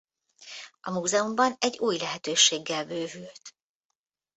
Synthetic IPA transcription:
ɒmuːzɛumbɒnɛɟːuːjlɛɦɛt̪øːʃeːɡːɛlbøːvylt̪

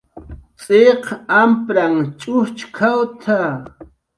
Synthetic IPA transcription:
t͡sʼeqampɾaŋt͡ʃʼʊt͡ʃkʰawt̪ʰa

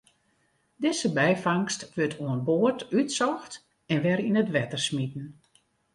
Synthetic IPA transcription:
dɪsəbɛjfaŋstʋøtʰoənboərtytsɔxt | ɛnʋɛɾinətʋɛtərsmitn̩

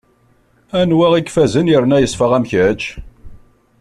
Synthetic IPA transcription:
ænwæʁikfæzənjəɾnæjəsˤfəʁæmçæt͡ʃː

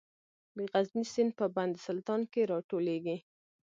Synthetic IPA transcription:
d̪əɣaznisɪnpəband̪sʊlt̪ɑnkeɾɑʈoleɡi

